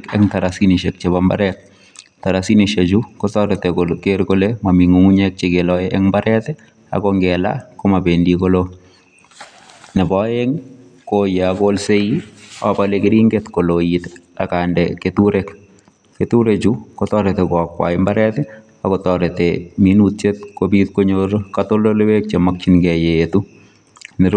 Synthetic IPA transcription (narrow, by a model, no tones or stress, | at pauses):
kɛ̰ŋtaɾasiniʃɛk̚t͡ʃeβamba̰ɾɛt̚ | taɾasiniʃed͡ʒukɔtɔɾetekokeɾkolemamiŋuŋuɲɛk̚t͡ʃɪɡelɔʔɛŋmbaɾɛtɛ | a̰kɔŋɡɛla̰komabendikolo | nɛbɔɛŋ | kojeakolseiɔ̰palekɪɾiŋɡet̪kolojit̪ | a̰kandɛketuɾek | ketuɾet͡ʃukotɔɾetekɔkwa̰ɪmbaɾɛtɛ | akotɔɾeteminutt͡ʃet̪̚kobit̪koɲoɾkatololewek̚t͡ʃemak̚t͡ʃinɡɛjeetu | nɪɾ